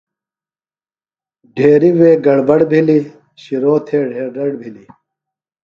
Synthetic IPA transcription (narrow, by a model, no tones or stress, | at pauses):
ɖʱeːɾiweːɡɐɽbɐɽbʱili | ɕiɾoːt̪ʰeːɖʱeːɾɖɐɽbʱili